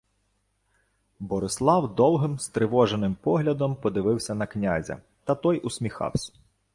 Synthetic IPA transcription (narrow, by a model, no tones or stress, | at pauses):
bɔɾɪslˠɑwd̪ɔlˠɦɪmst̪ɾɪʋɔʒenɪmpɔɦlʲɐd̪ɔmpɔd̪ɪʋɪwsʲɐnɐknʲazʲɐ̰ | t̪ɐt̪ɔjʔʊsʲmʲixɑ̰wsʲɐ̥